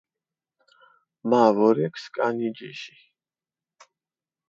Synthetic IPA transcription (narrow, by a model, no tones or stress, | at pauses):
mavɔɾɛkʰskʼanid͡ʒiʃi̥